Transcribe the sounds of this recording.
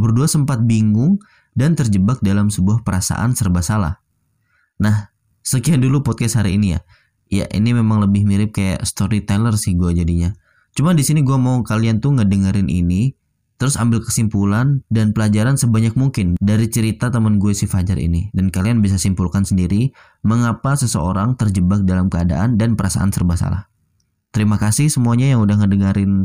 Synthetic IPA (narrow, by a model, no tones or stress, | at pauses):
bərduasəmpat̪̚biŋɡʊŋ | dant̪ərd͡ʒəbak̚dalamsəbuahpəɾasa̰ʔa̰nsərbasala̰h | nah | səkiandulupɔt̪̚kasɦaɾiːnija̰ | ja̰ʔḭnimemaŋləbɪhmiɾɪp̚kaja̰ʔst̪oɾit̪ɛlərsɪhɡuad͡ʒadiɲa | t͡ʃumadisiniɡuamaukaliant̪uŋədəŋəɾɪnʔḭni | t̪əɾʊsambɪlkə̥simpulandanpəlad͡ʒaɾansəbaɲak̚muŋkɪndaɾit͡ʃəɾit̪at̪əmənɡuasifad͡ʒaɾḭnidankalianbis̬asimpulkansəndiɾi | məŋapasəsə̰oɾaŋt̪ərd͡ʒəbak̚dalamkəada̰ʔandanpəɾasa̰ʔa̰nsərbasa̰la̰h | t̪əɾimakasɪhsəmuaɲajaŋudahŋədəŋaɾɪn